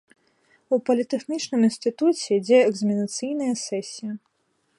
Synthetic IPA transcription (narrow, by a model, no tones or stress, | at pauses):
upɐlʲit̪ɛxnʲit͡ʂnɨminst̪ɨt̪ut͡sʲɛd͡zʲɛɛɡzɐmʲinɐt̪sɨjnɐjɐsɛsʲijɐ